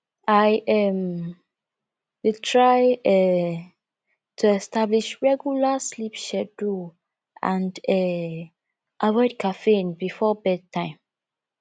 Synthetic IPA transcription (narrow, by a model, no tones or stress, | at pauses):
aɪɛm | witʰɹaɪɛ | tʰuɛstabliʃɹɛɡjulaslipʃɛdu | ʔãndɛ | ʔavɔɪd̚kʰafenbifɔbɛd̚tʰãɪ̃m